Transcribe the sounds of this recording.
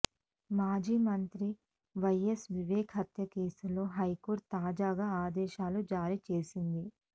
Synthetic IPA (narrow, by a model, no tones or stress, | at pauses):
maːd͡ʒiːmɐnt̪ɾi | ʋɐjesʋiʋeːkʰɦɐt̪jɐke̞ːsulo̞ːɦɐjkoːɾt̪t̪ːaːd͡ʒaːɡaːaːd̪ɛːʃaːlud͡ʒaːɾit͡ʃe̞ːsind̪i